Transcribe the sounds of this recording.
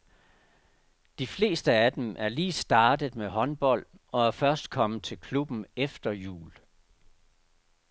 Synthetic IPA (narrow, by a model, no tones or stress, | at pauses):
d̥ifle̝̰ːsd̥əæd̥emʔæɐliːsd̥ɑ̈ːd̥əð̩ˠmeɦɒ̽nb̥ɒ̽l̰ɒ̽æɐfɶɐsd̥kʰɒ̽məð̩t͡sʰe̝lkʰlub̥n̩efd̥ɐjṵːl